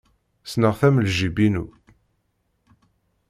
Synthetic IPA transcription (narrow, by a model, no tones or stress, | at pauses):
snəʁθæmlʒibinu